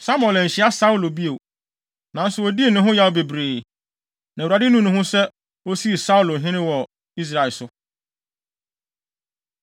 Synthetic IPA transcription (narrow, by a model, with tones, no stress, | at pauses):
sa˦m̃˦˨ɛ˨lɛ̃˨ɲ̩˨ɕɪ˨˦a˦sa˦u˦lo˨bi˦o˨ | nã˨˦n̩˦sʊ˨wɔ˨di˦e˨nʊ̃˨ɦʊ̃˦ja˦wo˨be˨bɾeː˨ | nã˨a˨dɪ˦nũ˦nʊ̃˨hʊ̃˦sɛ˦ | o˦si˦e˨sa˦u˦lo˨ɦɪ̃˦nɪ̃˦wɔ˨ | i˦s̬ɾa˨ɪ˨lsʊ˦